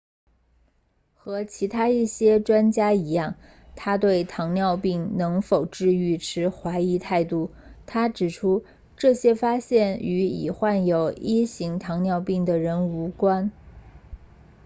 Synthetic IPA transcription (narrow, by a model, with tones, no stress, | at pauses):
xɤ˧˥t͡ɕʰi˧˥t̪ʰa˥i˥˩ɕjɛ˥ʈ͡ʂwa˥nt͡ɕja˥i˧˥jɑ˥˩ŋ | t̪ʰa˥t̪̬we˥˩ɪt̪ʰɑ˧˥ŋnjɑ˥˧ʊpi˥˩ŋnɤ˧˥ŋfo˨˩ʊʈ͡ʂɻ̩˥˧y˥˩ʈ͡ʂʰɻ̩˧˥xwa˧˥ɪi˧˥t̪ʰa˥˧ɪt̪u˥˩t̪ʰa˥ʈ͡ʂɻ̩˨˩ʈ͡ʂʰu˥ | ʈ͡ʂɤ˥˩ɕjɛ˥fa˥ɕjɛ˥˩ny˧˥ḭ˨˩xwa˥˩njo˨˩ʊi˥ɕi˧˥ŋt̪ʰɑ˧˥ŋnjɑ˥˧ʊpi˥˩ŋd̪ə˩ɻə˧˥nu˧˥kwa˥n